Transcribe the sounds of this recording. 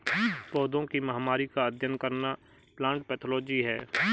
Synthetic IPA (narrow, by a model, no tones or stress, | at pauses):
pɔːd̪õkimɐɦamaːɾikaɐd̪ʱjənkɐɾna | plãːɳʈpɛːt̪ʰoloːd͡ʒiɦɛː